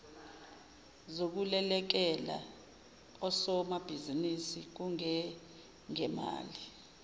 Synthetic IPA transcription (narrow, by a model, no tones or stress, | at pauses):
zok̬ulɛlɛk̬ɛla̰ | ɔsɔmab̥ʱizinisik̬uŋɛ | ŋɛma̰ːli